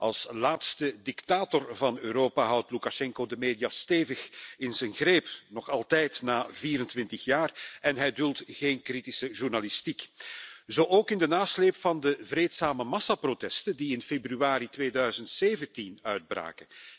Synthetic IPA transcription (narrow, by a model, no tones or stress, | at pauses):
ʔɑ̰lˠslaːtstədɪktaːtɔrvɑnøːɾoːpaɦʌwtlukaʃɛŋkodəmeːdijaːsteːvəxɪnzɛnɣɾeːpnɔxɑlˠtɛjtnaːviːɾəntʋɪntəxjaːrɛnɦɛjdʉlˠtɣeːnkritisəʒurnalɪstikzoːʔoːkɪndənaːsleːpfɑndəvɾeːtsaːməmɑsaprotɛstəndiɪnfebryaːɾitʋeːdœɥzəntseːvəntinœɥd̚bra̰ːkə